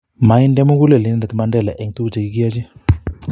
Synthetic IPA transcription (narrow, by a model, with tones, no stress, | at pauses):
ma˨i˦ndɛ˦mu˦ɡu˦lɛ˨li˨nɛ˦nda˨ti˨ma˦ndɛ˦˨lɛ˨ʔɛ˨ŋtu˦u˨t͡ʃa˨ki˦ɡja˦t͡ʃi˦